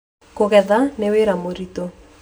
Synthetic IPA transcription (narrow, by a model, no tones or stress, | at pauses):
koɣɛðaneweɾamoɾito